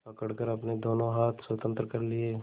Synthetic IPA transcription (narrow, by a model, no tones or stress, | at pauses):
pɐkəɽkəɾɐpned̪oːnõɦaːt̪ʰswɐt̪ə̃nt̪ɾəkɐɾlie